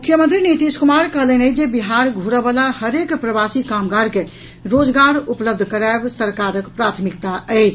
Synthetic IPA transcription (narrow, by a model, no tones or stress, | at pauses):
mukʰjəmə̃nt̪ɾinit̪iskumaɾkəɦlənəd͡ʒebiɦaɾɡʱuɾəbəlahəɾekpɾəbasikamɡaɾke | ɾod͡ʒɡaɾupləbd̪ʱkəɾabsəɾkaɾəkpɾat̪ʰmikt̪aəɪt͡ʃʰ